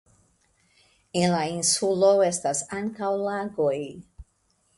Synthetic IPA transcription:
elainsulo̞e̞stasaŋkawlaɡo̞j

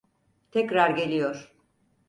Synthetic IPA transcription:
t̪ʰɛcɾaɾɟe̞lʲijoɾ̥

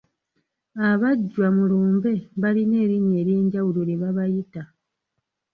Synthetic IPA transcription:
aβaɟːwamuluːmbe̞βaline̞ːɾiɲe̞ːɾje̞ːɲɟawuloɾeβaβajita

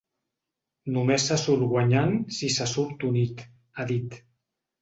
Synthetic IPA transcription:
numesasuɾɣwaɲansisasuɾt̪unit̪ | aðit̪

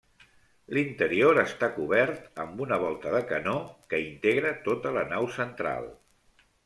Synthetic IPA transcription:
lint̪əɾioɾəst̪akuβɛɾt̪əmbunəβ̞ɔlˠt̪əðəkənokəint̪eɣɾət̪ot̪ələnawsənt̪ɾa̰lˠ

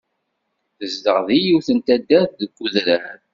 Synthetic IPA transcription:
θəzd̪əʁðijiwθənt̪æd̪ːæððəɡːuðɾæɾ

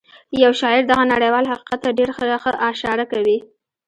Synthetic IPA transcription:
jawʃɑɪɾd̪aɣanaɽajwɑlɦaqi̥qat̪ːaɖeɾxəxəʔɑʃɑɾakawi

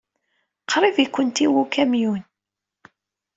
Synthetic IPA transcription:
qʰɾˤivikʷːənt̪iwukæmjun

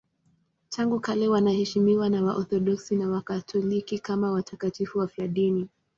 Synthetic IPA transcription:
tʰaŋɡukalɛwanahɛʃimiwanawaʔɔθɔɗɔksinawakatʰɔlikikamawatʰakatifuwafjaɗini

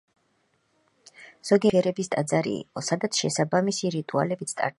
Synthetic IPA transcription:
z̥ɔɡiɛɾɛbist̪ʼad̪zaɾḭːqʼɔsad̪at̪sʰʃɛsabamisiɾit̪ʼua̰lɛbit̪sʰt̪ʼa̰ɾ

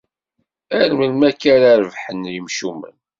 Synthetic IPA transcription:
æɾməlmækːæɾaɾəvħənjəmʃumə̰n

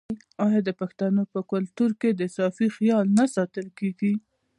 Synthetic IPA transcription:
ɑjɑd̪əpaxt̪anopəkʊlt̪uɾked̪əsɑfixjɑlnasɑt̪əlkeɡi

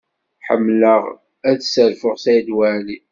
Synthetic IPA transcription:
ħə̰mːləʁ | æðsəɾfʊʁsæjd̪wæʕli

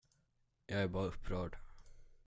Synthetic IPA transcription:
jɑæɾbɑːɾɵpʰːɾœːɖ

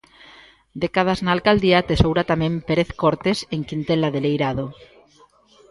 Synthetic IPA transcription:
d̪ekað̞aznaːlkald̪iat̪esowɾat̪amẽmpeɾeθkoɾt̪eseŋkint̪elaðelejɾaðo

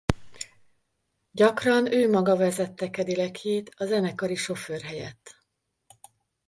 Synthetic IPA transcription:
ɟɒkrɒnøːmɒɡɒvɛzɛt̪ːɛkɛd̪ilɛkʰeːt̪ɒzɛnɛkɒɾiʃo̞føːrɦɛjɛt̪ː

